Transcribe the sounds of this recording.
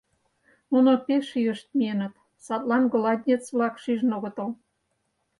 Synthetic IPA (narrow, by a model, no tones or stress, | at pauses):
nunopeʃijəʃt̪̚mienə̆t̪ | sɑt̪lɑnɡolɑd̪ʲnʲet͡sβlɑkʃiʒnoɣə̆t̪əl